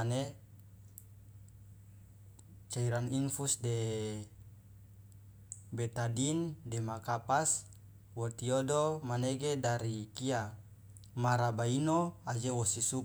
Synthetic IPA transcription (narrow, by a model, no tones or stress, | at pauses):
ane | t͡ʃaiɾaninfusde | bet̪adindɛmakapas | wɔt̪iodomaneɡedaɾikia | maɾabainoad͡ʒewɔsisu